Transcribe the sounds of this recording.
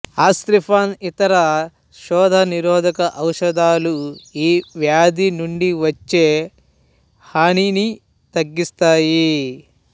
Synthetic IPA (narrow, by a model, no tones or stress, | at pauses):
aːst̪ɾipʰaːnit̪ɐɾɐ | ʃɔːd̪ʱɐniɾɔːd̪ʱɐkɐʔɐwʂɐd̪aːluiːʋjaːd̪inuɳɖiʋɐt͡ʃːe̞ː | haːɳini | t̪ɐɡːist̪aːji